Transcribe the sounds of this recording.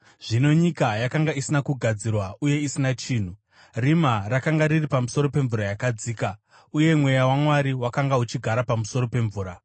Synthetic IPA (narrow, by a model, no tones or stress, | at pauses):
ʐ̥ino̞ɲikajakaŋɡaisinakuɡʱad͡zirwaʔuje̞isinat͡ʃiːn̤u | rimarakaŋɡariripamuso̞ɾo̞pe̞ɱvuɾajakad͡ziːka | uje̞mwe̞jawamwaɾiwakaŋɡaɦut͡ʃiɡʱaɾapamuso̞ɾo̞pe̞ɱvuːɾa